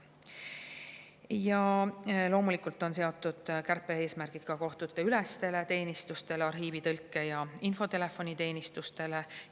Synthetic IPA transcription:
jɑlo̞ːmulikult̪ːˑo̞ns̬e̞o̞t̪ːˑud̪̥kærpːˑe̞e̞ːsmærɡ̥id̥̪kɑko̞ht̪ut̪ːˑe̞ylest̪e̞le̞t̪e̞ːnʲist̪ust̪e̞leɑrɦiːvit̪ɤlkːe̞jɑinfo̞t̪e̞le̞fo̞nit̪e̞ːnist̪ust̪e̞le̞

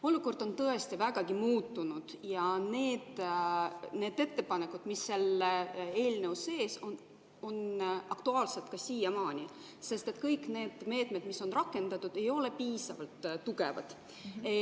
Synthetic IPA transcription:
o̞lːuko̞rd̪̥o̞nt̪ɤe̞st̪ivæɡ̥ɑɡ̥imuːt̪ːunud̪̥jɑne̞ːd̪̥ | ne̞ːd̪e̞t̪ːe̞pɑne̞kːˑud̪̥misːe̞lee̞ːlnewuse̞ːson | onɑkt̪uɑːlset̪̚kɑsiːjɑmɑːnʲi | se̞st̪e̞t̪kɤjkne̞ːd̪̥me̞ːt̪ˑme̞d̪̥miso̞nrɑkːˑe̞nd̪̥ɑt̪ːud̪̥e̞jo̞le̞piːsɑ̰vɑlt̪ːuɡe̞vɑ̰d̪̥

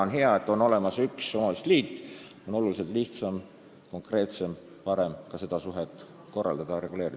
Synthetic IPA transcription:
onɦeɑet̪ːˑo̞no̞le̞mɑsyksomɑst̪liːt̪ːˑ | o̞no̞lulis̬e̞lt̪liht̪sɑm | ko̞ŋkre̞ːt̪se̞m | pɑɾe̞mkɑse̞d̪̥ɑsuɦet̪ːˑ | ko̞rːɑ̰ld̪̥ɑd̪̥ɑɾe̞ɡule̞ːɾi

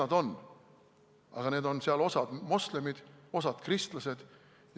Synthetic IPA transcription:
ɑd̪o̞n | ɑ̰ɡ̥ɑne̞ːd̪o̞nseɑlo̞sɑd̪̥mosle̞mid̪̥o̞sɑd̪̥krist̪lɑse̞d̪̥ | j

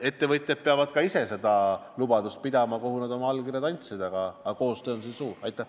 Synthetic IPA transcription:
e̞t̪ːevɤt̪ʲːˑjɑd̪̥̚peɑvɑd̪̥kɑise̞se̞d̪ɑlub̥ɑd̪ust̪̚pid̪ɑmɑko̞ɦunɑd̪o̞mɑɑlɡkirjɑd̪ɑnʲt̪sed̪ɑɡ̥ɑːko̞ːst̪øːonsinsuːrɑjt̪ːˑɑ

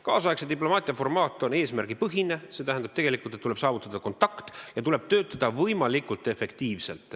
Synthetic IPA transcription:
kɑːsɑjekset̪iplo̞mɑːt̪ʲˑiɑfo̞rmɑːt̪ːˑo̞ne̞ːsmærɡ̥ipɤɦine̞se̞ːt̪æɦænd̪ɑb̥t̪eɡ̥e̞likˑult̪et̪ːule̞b̥sɑːvut̪ːˑɑd̪̥ɑko̞nt̪ːˑɑkt̪jɑt̪ule̞b̥̚t̪ø̞ːt̪ːˑɑd̪̥ɑvɤjmɑlikult̪ːˑe̞fe̞kt̪iːvse̞lt̪ˑ

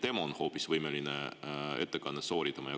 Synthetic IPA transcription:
d̪emõnhoːpʲːisɨβɯimeɾʲineḛt̪ːekanesoːɾʲit̪emojo

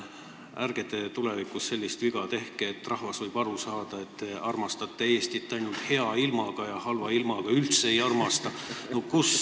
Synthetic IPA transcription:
ærɡ̥e̞t̪e̞t̪ulevikusːe̞lʲːist̪viɡ̥ɑt̪e̞hkeːt̪ːrɑhvɑsvɤjb̥ɑɾusɑːd̪̥ɑe̞t̪ːeɑrmɑst̪ɑt̪ːˑee̞ːst̪iet̪ːeɑjnult̪he̞ɑilmɑɡ̥ɑjɑhɑlvɑilmɑɡ̥ɑylt̪seejɑrmɑst̪ɑ | nokus

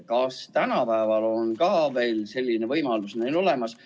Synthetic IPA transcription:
kɑst̪ænɑpæevɑlo̞nkɑːve̞ːlse̞lʲːinevɤjmɑlusnelo̞le̞mɑs

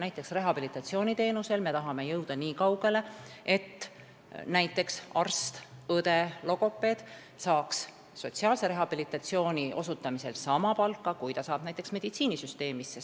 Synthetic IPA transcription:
næjt̪ːˑe̞ksre̞ɦɑbilit̪ːˑɑt̪sio̞ːnʲit̪e̞ːnuse̞lme̞t̪ɑɦɑme̞jɤwd̪̥ɑniːkɑwɡ̥e̞le̞e̞t̪ː | næjt̪ːˑe̞ksɑrst̪ɤd̪̥e̞lo̞ɡo̞pːˑe̞ːd̪̥ | sɑːks | so̞tsiɑːlse̞ɾe̞ɦɑb̥ilit̪ːˑɑt̪sio̞ːnʲiʔo̞sut̪ːˑɑmise̞lsɑmɑpɑlkːɑkujt̪ɑsɑːb̥næjt̪ːˑe̞ksme̞d̪̥it̪siːnisyst̪e̞ːmisːe

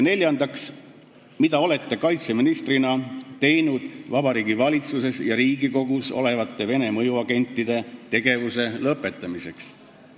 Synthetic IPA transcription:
ne̞lʲjɑnd̪̥ɑks | mid̪ɑo̞le̞t̪ːe̞kɑjt̪seminist̪rinɑt̪e̞jnud̪̥vɑb̥ɑɾiːɡ̥ivɑlʲit̪suse̞sjɑɾiːɡiko̞ɡ̥uso̞̰le̞vɑt̪ːˑe̞ve̞ne̞mɤjuɑɡe̞nʲt̪ːˑid̪̥e̞t̪e̞ɡ̥e̞vuse̞lɤpːˑe̞t̪ːˑɑmise̞ks

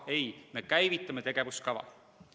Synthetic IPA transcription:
e̞jme̞kæjvit̪ːˑɑme̞t̪e̞ɡ̥e̞vuskɑvɑ̰

